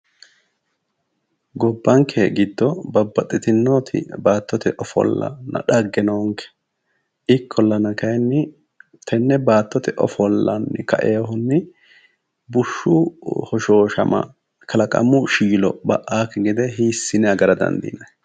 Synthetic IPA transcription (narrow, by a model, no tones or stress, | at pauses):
ɡɔbːɐŋkʰɛɡɪd̪ːɔbɐbːɐt̪ʼːɪt̪ɪnːoːt̪ʰɪ̰baːt̪ːɔt̪ɛʔɔfɔ̰lːɐ̰nɐ̰ᶑɐɡːɛnɐɔŋkɛ̥ | ʔɪkʰːɔlːɐnɐkɐjnːɪ | t̪ʰɛnːɛbaːt̪ːɔt̪ɛʔɔ̰fɔlːɐnːɪkɐʔeaɦʊnːɪ | bʊʃːʊhɔʃoːʃɐ̰mɐ̰ | kʰɐlɐkʼɐ̰mʊʃiːlɔbɐʔːaːkːɛɡɪd̪ɛɦiːsːɪnɛɐɡɐɾɐd̪ɐ̰nd̪ḭnɐj